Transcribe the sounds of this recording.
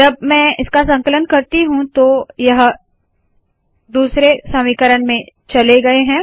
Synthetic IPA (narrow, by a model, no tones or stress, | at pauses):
d͡ʒɐbmɛ̃ːɪskasɐ̃ŋkələnkɐɾt̪iɦũt̪ojɐɦ | d̪uːsɾesɐmikəɾəɳmẽt͡ʃɐleɡɐeɦɛ̃ː